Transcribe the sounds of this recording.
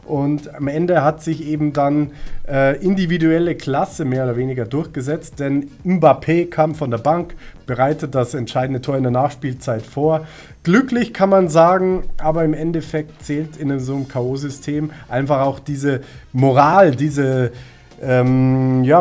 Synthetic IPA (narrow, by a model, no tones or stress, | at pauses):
ʔʊntamɛndəɦatz̥ɪçʔeːbm̩danʔɛːʔɪndividuɛləkʰl̥asəmeːɐoːdɐveːnɪɡɐdʊɐçɡ̥əzɛt͡st̚d̥ɛnʔɪmbapʰeːkʰaːmfɔndeːɐbaŋkb̥əʁaɪtət̚d̥asɛntʃaɪdn̩dətʰoːɐɪndeːɐnaːχʃpiːlt͡saɪtfoːɐ | ɡ̥lʏklɪçkʰanmanzaːɡŋ̩ʔaːbɐɪmɛntɛfɛk̚tt͡sɛːltɪnzoːəmkʰaoːzʏstʰeːmʔaɪnfaχaʊxd̥iːzəmoʁaːldiːzə | ʔɛːmjaː